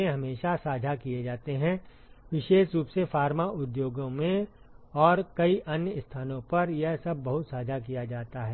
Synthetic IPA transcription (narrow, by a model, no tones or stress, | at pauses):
ẽɦɐmeːʃasaːd͡ʒʱakijed͡ʒaːt̪eɦɛ̃ | ʋɪʃeːʃɾuːpsefaːɾmaʔʊd̪joːɡõmẽ | ɔːɾkɐiʔɐnjəɪst̪ʰaːnõpɐɾjɛɦsɐb̚ʱːɐɦʊt̪saːd͡ʒʱak̬ijad͡ʒaːt̪aɦɛː